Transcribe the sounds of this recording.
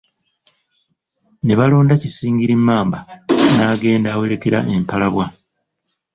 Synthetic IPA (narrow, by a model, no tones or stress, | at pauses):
ne̞βaloːndacisiːŋɡiɾimːaːmbanaːɡe̞ːndaːwe̞ɾe̞ke̞ɾa̰ʔe̞mpalaβwa